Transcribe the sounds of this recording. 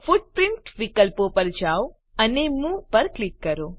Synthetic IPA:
fuɖ̚pɾɪɳʈʋikəlpopəɾd͡ʒaw | ənemũpəɾklikːəɾo

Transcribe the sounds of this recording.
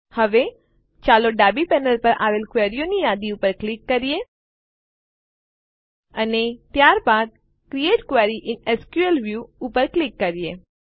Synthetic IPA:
həʋe | t͡ʃaloɖabipɛnəlpəɾʔa̰ʋelkʋeɾijonijad̪iupəɾklɪkːəɾije | ənet̪jaɾbad̪̚ | kɾieʈkʋeɾiʔɪneskjuəlʋjuːpəɾklɪkːəɾije

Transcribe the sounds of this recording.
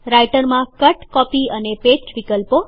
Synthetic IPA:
ɾajʈəɾmãkəʈkɔpiənepesʋikəlpo

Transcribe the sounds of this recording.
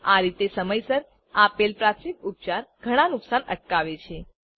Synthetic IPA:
aɾit̪esəməjsəɾ | apelpɾat̪ʰʃik̚up̚t͡ʃaɾɡʱəɽ̃ãnʊksanə̰ʈ̚kaʋet͡ʃʰe

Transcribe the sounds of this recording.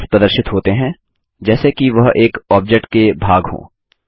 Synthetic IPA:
pɾɐd̪əɾʃɪt̪ɦoːt̪eɦɛ̃ | d͡ʒɛːsekiʋɐɦeːkɔːb̚d͡ʒek̚ʈkebʱaːɡɦõ̰ː

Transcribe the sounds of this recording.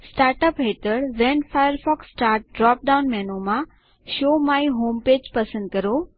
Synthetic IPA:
sʈaːɾʈəpɦeːt̪əɽʋɛ̃ːnfaːjəɾfɔːksʈaːɾʈ̚ɖɾɔːp̚ɖaːʊnmɛːnomã | ʃoːmaːiɦoːmpeːd͡ʑpɐsə̃nd̪̚kɐɾoː

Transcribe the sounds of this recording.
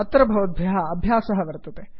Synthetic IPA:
ɐt̪ːɾɐbʱɐʋɐd̪̚bʱjɐɦɐɐbʱjaːsɐɦɐʋɐɾt̪ɐt̪e

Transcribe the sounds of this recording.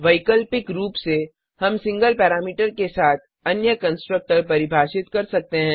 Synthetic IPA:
ʋɐɪkəlpɪkɾuːpse | hɐmsɪ̃ŋɡəlpɛːɾaːmiːʈəɾkesaːt̪ʰ | ɐnjəkɐ̃nsʈɾək̚ʈəɾpɐɾɪbʱaːʃɪt̪kɐɾsɐk̚t̪eɦɛ̃ː

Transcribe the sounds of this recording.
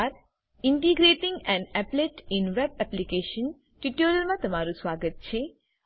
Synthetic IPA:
ɾ | iɳʈiɡɾeːʈiŋɡɛ̃ɳɖɛpleʈinʋeb̚ɛplikeːʃən | ʈiʈoːɾjəlmãt̪ɐmaːɾusʋaːɡət̪̚t͡ʃʰe

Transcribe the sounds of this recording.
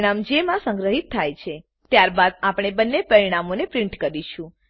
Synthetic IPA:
ɽ̃amd͡ʒemãsə̃ŋɡɾəɦit̪ʰːajt͡ʃʰe | t̪jaɾbad̪̚apɽ̃ebənːepəɾiɽ̃amonepɾĩɳʈkəɾiʃũ

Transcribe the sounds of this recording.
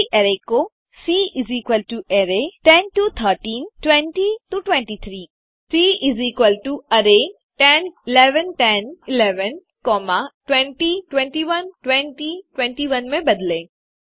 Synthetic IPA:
ʔɛɾeko | siːʔɪziːkwəlʈueɾeʈɛnʈut̪ʰəːɾʈĩːnʈwɛ̃ɳʈituʈwɛ̃ɳʈit̪ʰɾiː | siːiziːkwəlʈuɐɾe | ʈɛnɪlɛːʋənʈɛnɪlɛːʋən | kɔːmaʈwɛ̃ɳʈiʈwɛ̃ɳʈiʋənʈwɛ̃ɳʈiʈwɛ̃ɳʈiʋɐnmẽbɐd̪lẽː

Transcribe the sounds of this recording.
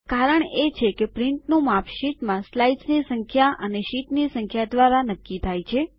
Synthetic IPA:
kaɾəɳet͡ʃʰekepɾiɳʈnũmapʰʃiʈmãslajsnisəŋkʰjaʔəneʃiʈnisəŋkʰjad̪ʋaɾanəkːit̪ʰajt͡ʃʰe

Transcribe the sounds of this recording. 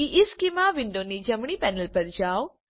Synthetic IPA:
iʔɪskimãʋɪ̃ɳɖonid͡ʒɐmɽ̃iːpɛːnəlpɐɾd͡ʒaːw

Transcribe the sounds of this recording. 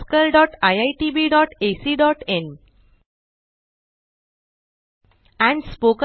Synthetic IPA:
kəlɖɔːʈaɪaɪʈiːbiːɖɔːʈeːsiːɖɔːʈẽn | ɛ̃ɳɖspoːkə

